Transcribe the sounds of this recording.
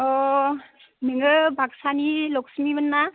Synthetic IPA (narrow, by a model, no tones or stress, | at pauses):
ɔ | meŋɯbʱaksanilɔksmibənːa